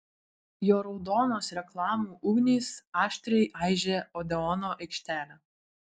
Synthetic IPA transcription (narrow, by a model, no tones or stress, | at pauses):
joːɾɔʊd̪ɔːnoːsɾʲɛklˠɑːmuːʔʊɡnʲiːsɑːʃʲt̪ʲɾʲɛɪʔɑɪʒʲeːɔd̪ʲɛɔnoːʔɐɪkʃʲt̪ʲæːlʲɛ